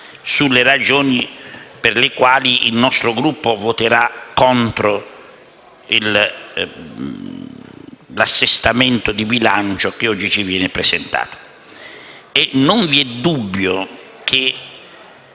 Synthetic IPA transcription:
sulːerad͡ʒoːniperlekwaːliʔilnɔst̪ɾoɡɾupːovot̪eɾakːɔnt̪ɾo | il | lasːest̪ament̪od̪ibilant͡ʃok̟eɔd͡ʒːit͡ʃivjɛːnɪpɾesent̪a̰ːt̪o̥ | enʊɱviɛd̪ːubːjo | k̟ʰe

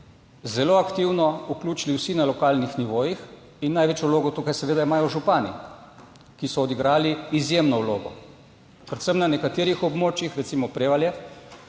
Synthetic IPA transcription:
zɛloakt̪iwnɔuklʲuːt͡ʃiliwsinalɔkaːlnixniʋoːjix | inːajʋet͡ʃjɔwloːɡɔt̪ukajsɛʋeːd̪aimaːjɔʒupaːnḭ | kisɔːd̪iɡɾaːliːzjemnɔwloːɡɔ̰ | pɾɛt̪sɛmnanɛkat̪eːɾixɔbmoːt͡ʃjixɾɛt̪simɔpɾeːʋaljɛ

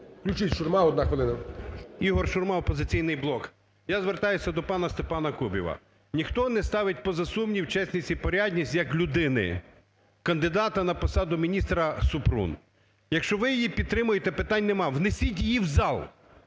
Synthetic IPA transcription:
klʲʊt͡ʃɪtʲʃʊrmɑɔd̪̚nɑxʋelˠɪnɐiɦɔrʃʊrmɑɔpɔzɪt͡sʲijnɪjblˠɔk | jazʋert̪ɑjʊsʲɐd̪ɔpɑnɐst̪epɑnɐkubʲḭʋɐ̰ | nʲixt̪ɔnɛst̪ɑʋɪt̚ʲpɔzɐsumnʲiwt͡ʃɛsʲnʲit͡sʲipɔɾʲadʲnʲisʲtʲjɐklʲʊd̪ɪnɪ̰ | kɐnd̪ɪd̪ɑt̪ɐnɐpɔsɑd̪ʊmʲinʲist̪ɾɐsʊpɾṵn | jɐkʃt͡ʃɔʋɪjijipʲid̪̚t̪ɾɪmʊjet̪ɛpɪt̪ɑnʲnɛmɑwnesʲit̬ʲjjiwzɑlˠ

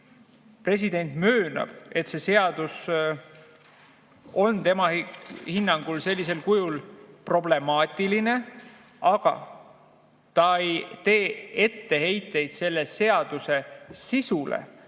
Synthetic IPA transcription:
pre̞s̬id̪̥e̞nʲt̪møːnɑ̰b̥e̞t̪se̞se̞ɑd̪̥us | o̞nt̪e̞mɑhinːɑŋɡ̥ulse̞lʲːise̞lkujulpro̞ble̞mɑːt̪ʲːˑiline̞ | ɑɡ̥ɑ̰ | t̪ɑejt̪e̞ːe̞t̪ːe̞he̞jt̪ːˑe̞jd̪̥se̞lːe̞se̞ɑd̪̥use̞sisulḛ

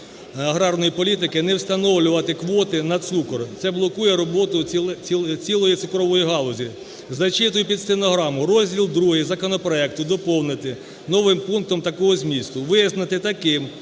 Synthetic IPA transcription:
ɐɦɾɑrnɔjipɔlʲit̪̬ɪkɪnɛwst̪ɐnɔwlʲʊʋɐt̪ɪkʋɔt̪ɪnɐt̪sukɔrt̪sɛblˠɔkujɛɾɔbɔt̪ʊ | t͡sʲilˠɔjit̪sɪkɾɔʋɔjiɦɑlˠɔzʲi | zɐt͡ʃɪt̪ʊjʊpʲid̪st̪enɔɦɾɑmʊrɔzʲdʲilˠd̪ɾuɦɪzɐkɔnɔpɾɔɛk̚t̪ʊd̪ɔpɔwnɪt̪ɪ | nɔʋɪmpunk̚t̪ɔmt̪ɐkɔɦɔzʲmʲist̪ʊʋɪznɐt̪ɪt̪ɐkɪm

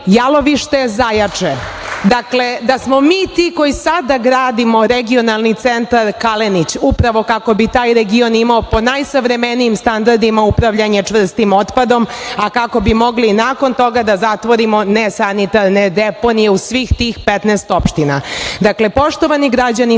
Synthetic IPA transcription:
jalo̞ʋiʃt̪ezajat͡ʂe | d̪akled̪asmomiːt̪iko̞jisad̪aɡɾaːd̪imo̞ɾeɡio̞nalˠnit̪sent̪aɾkalenit͡ɕupɾaʋo̞kako̞bit̪aːjɾeɡio̞nimaopo̞najsaʋɾemenijimst̪and̪aɾd̪imaupɾaʋʎaɲe̞t͡ʂʋr̩st̪imot̪pad̪o̞makako̞bimo̞ɡlinaːko̞nt̪o̞ɡad̪azat̪ʋo̞ɾimo̞nesanit̪aɾned̪epo̞nijeusʋixt̪iːxpet̪nɛːst̪o̞pʃt̪ina̰d̪akle̞po̞ʃt̪o̞ʋaniɡɾad͡ʑani

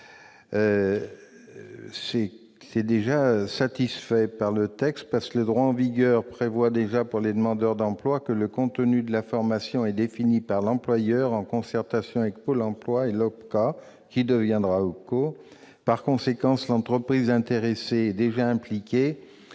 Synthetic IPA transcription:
ø | sɛ | ɛd̪eʒasat̪isfɛpaʁlət̪ɛkst̪̚paʁskələd̪ʁwaɑ̃viɡœʁpχevwad̪eʒapuʁled̪əmɑ̃d̪œʁd̪ɑ̃plwakələkɔ̃t̪nyd̪əlafɔʁmasjɔ̃ɛd̪efinipaʁlɑ̃plwajœʁɑ̃kɔ̃sɛʁt̪asjɔ̃avɛkpolɑ̃plwaelɔpka | kʲid̪əvjɛ̃d̪ʁaokoː | paʁkɔ̃sekɑ̃slɑ̃t̪χəpχizɛ̃t̪eʁeseɛd̪eʒaɛ̃plikʲe

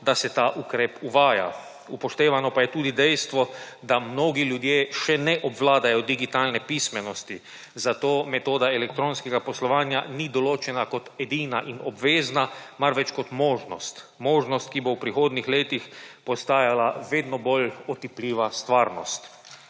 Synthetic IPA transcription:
d̪asɛt̪aːʔukɾeːpuʋaːja̰ | upɔʃt̪eːʋanɔpajɛt̪uːd̪id̪ɛjst̪ʋɔd̪amnoːɡiljud̪jeːʃɛnɛʔɔbʋlaːd̪ajɔd̪iɡit̪aːlnɛpismɛnɔst̪i | zat̪oːmɛt̪oːd̪aɛlɛk̚t̪ɾoːnskɛɡapɔslɔʋaːnjanid̪ɔloːt͡ʃɛnakɔt̪ɛd̪iːna̰ʔinɔbʋeːznamaɾʋɛt͡ʃkɔt̪moːʒnɔ̰st̪ | moːʒnɔst̪̚kibowpɾixoːd̪nixleːt̪ixpɔst̪aːjalaʋeːd̪nɔbolɔt̪ipliːʋast̪ʋaːɾnɔ̰st̪

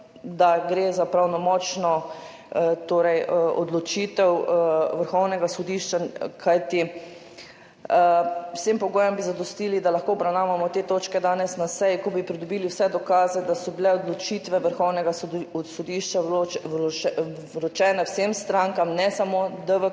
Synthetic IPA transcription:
d̪aɡɾeːzapɾawnɔmɔt͡ʃnɔ | t̪oːɾɛjɔ̰d̪lɔt͡ʃit̪ɛwʋəɾxɔwnɛɡasɔd̪iːʃt͡ʃakʰajt̪i | wsempɔɡoːjɔmbizad̪ɔst̪iːlid̪alaxkoːbɾawnaːʋamɔt̪eːt̪oːt͡ʃkɛd̪aːnɛsnasɛjikɔbipɾid̪ɔbiːliwsɛd̪ɔkaːzɛd̪asɔbilɛɔd̪lɔt͡ʃiːt̪ʋɛʋəɾxɔwnɛɡasɔd̪iʃt͡ʃa | lɔt͡ʃɛːnɛwsemst̪ɾãŋkamnɛsamod̪əʋə

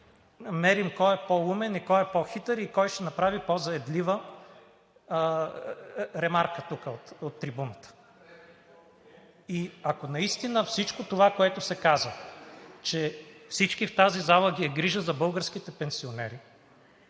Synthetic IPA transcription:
mɛɾimkɔɛpɔumɛnikɔjɛpɔxit̪ɛɾikɔjʃt̪ɛnɐpɾavipɔzɐɛd̪livə | ɾɛmaɾkət̪ukəot̪ot̪ːɾibunət̪ə̥ | iɐkonɐist̪inəfsit͡ʃkot̪ovakoɛt̪ʊsɛkazət͡ʃɛfsit͡ʃkift̪azizalˠəɡʲiɛɡɾiʒəzɐbɤlˠɡəɾsk̟it̪ɛpɛnsionɛ̰ɾi

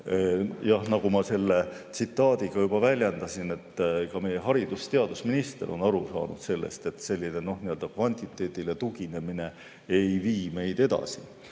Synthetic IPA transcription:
jɑhnɑɡ̥umɑse̞lːe̞t̪sit̪ːˑɑːd̪̥iɡ̥ɑjub̥ɑvælʲjɑnd̪̥ɑsine̞t̪ːˑkɑme̞jeɦɑɾid̪̥ust̪e̞ɑd̪̥usminist̪eɾʔo̞̰nɑɾusɑ̰ːnṵd̪̥se̞lːḛst̪e̞t̪se̞lʲːineno̞hniø̞ld̪̥ɑkvɑnʲt̪ʲˑit̪ːˑe̞ːt̪ilet̪uɡine̞mine̞ | ejviːme̞jd̪e̞d̪̥ɑ̰si

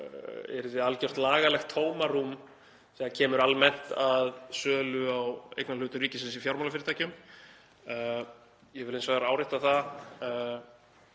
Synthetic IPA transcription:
ɛ̰ɾðɪalcœr̥t̪laːɣalɛxt̪ʰːoːwmarum | sɛðacʰɛːmʏɾalmɛn̥t̪aðsœːlʏawḛjknalʏːt̪ʏriːcɪsɛnsifjawɾmawlafɪɾɪt̪ajcʏm | jɛvɪlens̬vaɣaɾaːwɾɪht̪aθa

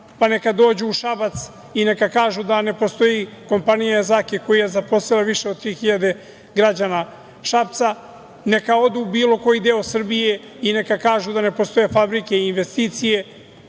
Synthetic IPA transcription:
pane̞kad̪o̞ːd͡ʑuːʃabat̪s | ine̞kakaːʒud̪ane̞po̞st̪o̞jiko̞mpanijazakeko̞jijezapo̞silaʋiʃeod̪̚t̪ɾiːxiʎad̪e̞ | ɡɾad͡ʑana | ʃap̚t̪sa | ne̞kao̞d̪uːbiːlo̞ko̞jid̪eo̞sr̩bije̞ | ine̞kakaːʒud̪ane̞po̞st̪o̞jefabɾike̞iinʋe̞st̪iːt̪sije̞

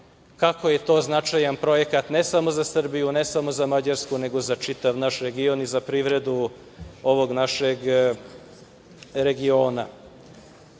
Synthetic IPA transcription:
kako̞je̞t̪o̞ːznat͡ʂajanpɾo̞je̞kat̪nesamo̞zasr̩bijunesamo̞zamad͡ʑaɾskune̞ɡo̞zat͡ʂit̪aʋnaʃɾe̞ɡio̞nizapɾiʋɾe̞d̪u | o̞ʋo̞ɡnaʃeɡ | ɾe̞ɡioːna

